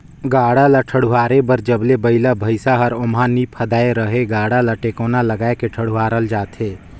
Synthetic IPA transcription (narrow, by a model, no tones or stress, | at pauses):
ɡaːɽalaʈʰəɽuɦaːɾebəɾd͡ʒəblebəɪlabʱəɪsaɦəɾʊmanipʰəd̪aːeɾəɦeɡaːɽalaʈeːkoːnaləɡaːekeʈʰəɽ̤uwaːɾəld͡ʒaːt̪ɦeː